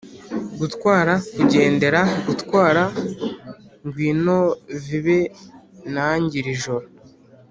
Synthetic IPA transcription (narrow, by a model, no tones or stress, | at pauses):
ɡutkwaːɾakuɟe̞ːnde̞ɾaɡutkwaːɾa | ŋɡwiːnoviβe̞ | naɲɟiɾiʒo̞ɾo